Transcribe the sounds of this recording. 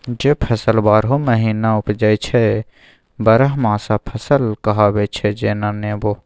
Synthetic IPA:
d͡ʒeːpʰɐsəlbaːɾɦoməɦiːnaʊpd͡ʒaːit͡ʃʰɛ | bəɾəɦmãːsapʰəsəlkɐɦaːbet͡ʃʰed͡ʒeːnaneːboː

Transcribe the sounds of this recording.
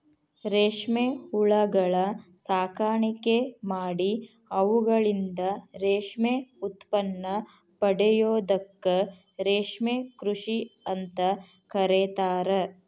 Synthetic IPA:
ɾeːʂmeuɭɐɡɐɭɐsaːkaːɳikemaːɽi | ɐʋuɡɐɭind̪ɐɾeːʂmeut̪pɐnːɐ | pɐɽejoːd̪ɐkːɐ | ɾeːʂmekɾuʂiɐnt̪ɐ | kɐɾeːt̪aːɾe

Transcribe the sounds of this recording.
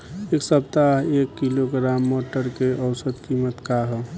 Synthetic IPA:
eksəb̚t̪aɦekːiloɡɾamːoʈəɾkeʔəwsəd̪kimət̪kaɦɔ

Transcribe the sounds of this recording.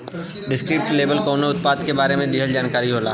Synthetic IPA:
ɖɪskɾɪp̚ʈleːbəlkoːnoʊt̪paːd̪kebaːɾemẽd̪iɦəld͡ʒaːnkaːɾiɦoːla̰ː

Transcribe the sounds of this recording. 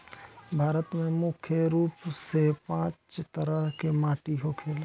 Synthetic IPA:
bʱaːɾət̪mẽmʊkʰjəɾuːpsepãːt͡ʃt̪əɾəɦkemãːʈiɦokʰeːl

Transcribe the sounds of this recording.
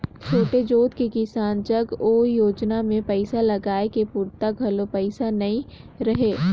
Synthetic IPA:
t͡ʃʰoːʈed͡ʒoːt̪kekɪsaːnt͡ʃəɡoːjoːd͡ʒnamẽpɛɪsalɐɡaːekepʊɾt̪aɡʱɐlopɛɪsanɐĩɾɐɦeː

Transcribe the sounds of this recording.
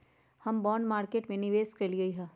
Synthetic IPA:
hɐmbɔːɳɖmaːɾkeːʈmẽnɪʋeːskɐliɐiɦɛ̃ː

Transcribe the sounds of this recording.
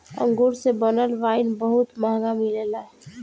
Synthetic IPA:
ə̰̃ŋɡuɾsebənəlʋaɪnbəɦut̪maɦɡamilelaɦɛ

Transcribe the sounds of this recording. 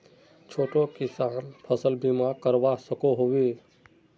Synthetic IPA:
t͡ʃʰoːʈokɪsaːnpʰəsəlbimakəɾbasəkoɦowi

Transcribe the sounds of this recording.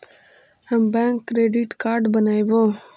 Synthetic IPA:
ɦəmbɛ̃ːŋkːɾeːɖiʈkaːɾɖbənaːibõː

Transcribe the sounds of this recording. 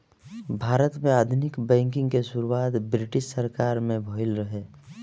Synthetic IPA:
bʱaːɾət̪mẽaːd̪ʱʊnɪkbɛ̃ːŋkɪ̃ŋɡkeʃʊɾuwaːt̪bɾɪʈɪʃsəɾkaːɾmẽbʱoɪlɾəɦeː

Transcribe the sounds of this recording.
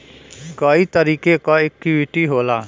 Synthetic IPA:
kaːiːt̪əɾiːkeːkaːɪkːiʋɪʈiːɦoːlaː

